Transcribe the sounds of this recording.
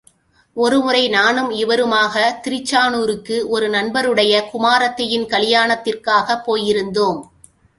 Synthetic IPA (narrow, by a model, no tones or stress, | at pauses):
ɔɾɯmʊɾɐɪnaːɳɯmɪʋɐɾɯmaːɣɐt̪ɪɾɪt͡ʃːaːnuːɾɯkːɯʔɔɾɯnɐnbɐɾɯɽɐjɐkʊmaːɾɐt̪ːɐjɪnkɐlɪjaːɳɐt̪ːɪrkaːɣɐpːoːjɪɾɯnd̪oːm